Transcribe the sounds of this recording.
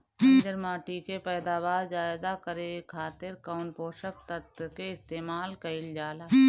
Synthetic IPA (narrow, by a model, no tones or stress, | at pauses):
d͡ʒəɾmaːʈikepɛːd̪aːʋaːɾd͡ʒaːɪd̪akəɾekʰaːt̪ɪɾkaʊnpoːʃək̚t̪ət̪keɪst̪eːmaːlkɐɪld͡ʒaːlaː